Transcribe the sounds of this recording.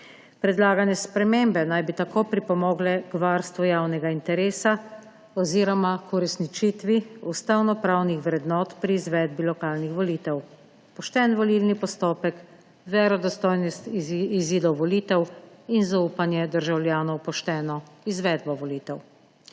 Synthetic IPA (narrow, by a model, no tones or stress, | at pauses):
pɾɛd̪laːɡanjɛspɾɛmeːmbɛnajbit̪akoːpɾipɔmɔːɡlɛkʋaːɾst̪ʋujaːwnɛɡaint̪ɛɾeːsa | ɔziːɾɔmakuɾɛsnit͡ʃit̪ʋiust̪awnɔpɾaːwnixʋɾɛd̪nɔːt̪pɾiːzʋɛd̪bilɔkaːlnixʋɔliːt̪ɛw | pɔʃt̪ɛːnʋɔlilnipɔst̪oːpɛk | ʋɛɾɔd̪ɔst̪ɔːjnɔst̪iziːd̪ɔwʋɔliːt̪ɛwinzauːpanjɛd̪əɾʒawljaːnɔwpɔʃt̪ɛːnɔ | izʋɛːd̪bɔʋɔliːt̪ɛw